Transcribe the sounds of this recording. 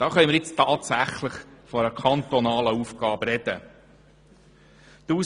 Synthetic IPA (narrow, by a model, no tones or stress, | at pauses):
d̥ɑːχœjmɪɾjɪt͡stɑːt̪sæχləχfɔɾəkʰɑnt̪ɔnɑːləuːfɡ̥ɑːbɾɛd̥̪ə̰ | d̪̥uː